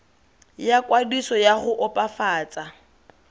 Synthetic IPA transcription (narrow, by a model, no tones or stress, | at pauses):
jakʼwadisɔjaɣʊʔɔpʼafaːt͡sʼa